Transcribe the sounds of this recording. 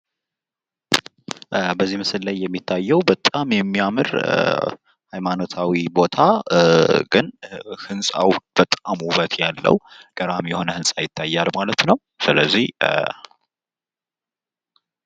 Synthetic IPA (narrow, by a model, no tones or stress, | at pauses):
bəzːihmɨsɨllajːɛmːit̪ʰːajːɛwbət̪ʼamjɛmːiamɨɾ | hajmano̞t̪ʰawibo̞t̪ʰa | ɡɨnhɨnsʼa̰wb̥ət̪ʼamhuβət̪ʰjalːə̰wɡ̥əɾamjɛho̞nəhɨnsʼajɪt̪ʰːajːalmalət̪nəw | sɨləzːih